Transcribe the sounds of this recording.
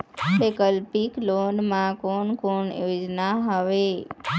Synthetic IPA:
lekəlpiklonmãkoɳkoɳjod͡ʒnaɦəʋe

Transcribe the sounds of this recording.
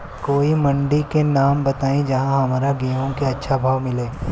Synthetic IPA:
koːimɐ̃ɳɖikenaːmbɐt̪aːẽd͡ʒɐɦãɦɐmaːɾaɡeːʋõkeɐtːʃʰabʱaːʋmɪleː

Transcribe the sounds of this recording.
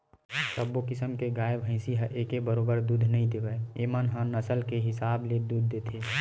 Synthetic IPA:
səbokɪsəmkeɡaːebʱɦə̃ɪ̃siɦə̃ʔekebəɾoːbəɾd̪uːd̪ʱnəɦĩd̪eʋəeemənɦə̃nəsəlkeɦɪsaːbled̪ud̪ʱːet̪ʰe

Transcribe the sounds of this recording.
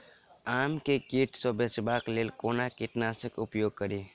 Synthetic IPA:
aːmkekiʈsɔbesbakleːlkoːnakɪʈnasəkʊpjoːɡ̚kəɾiː

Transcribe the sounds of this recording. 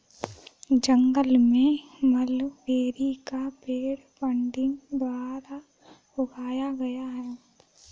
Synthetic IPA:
d͡ʒɐŋɡəlmẽmɐlʋeːɾikapeːɽpɐ̃ɳɖɪ̃ŋɡd̪waːɾa | bʊɡaːjaɡɐjaɦɛː

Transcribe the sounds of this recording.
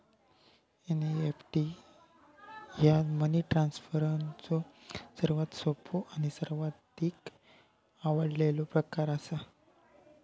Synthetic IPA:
eniefʈi | jaməniʈɾansfəɾənt͡sɔsəɾʋat̪sopʰoʔañisəɾʋat̪iːk | aʋəɽlelopɾəkaɾəsa

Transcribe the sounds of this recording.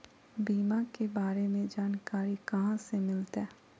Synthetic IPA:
biːmakebaːɾemẽd͡ʒaːnkaːɾikɐɦãsemɪlt̪ɛː

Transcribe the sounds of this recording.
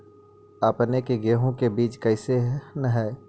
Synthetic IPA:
apnekeɡeːɦõkebiːt͡ʃkəɪseɦnəɦɛː

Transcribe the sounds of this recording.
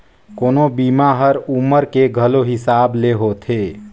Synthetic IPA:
koːnobiːmaɦəɾuməɾkeɡʱəloɦɪsaːbleɦot̪ʰeː

